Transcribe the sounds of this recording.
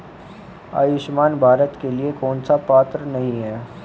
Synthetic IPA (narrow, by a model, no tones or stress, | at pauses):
a̰ːjɪʃmaːnbʱaːɾət̪keliekɔːnsapaːt̪ɾənɐɦĩɦɛː